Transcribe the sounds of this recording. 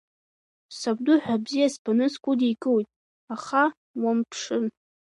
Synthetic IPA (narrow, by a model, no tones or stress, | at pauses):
sab̚duħʷᶣabzijaspʰanɨskʷʼʊdikʼɨwjtʼ | aχa | wampʰʂɨn